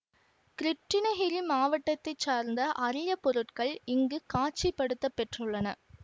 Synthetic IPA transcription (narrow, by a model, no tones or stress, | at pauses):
kɾɪʈrɪnɐɣɪɾimaːʋɐʈːɐt̪ːɐɪt͡ʃːaːɾnd̪ɐʔɐɾɪjɐpːɔɾɯʈkɐɭɪŋɡɯkaːt͡ʃːɪpːɐɽɯt̪ːɐpːɛʈrɯɭːɐnɐ